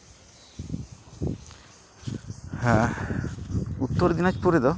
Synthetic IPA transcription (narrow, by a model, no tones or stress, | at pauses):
hɛ | ut̪ːɔɾd̪inat͡ʃpuɾed̪ɔ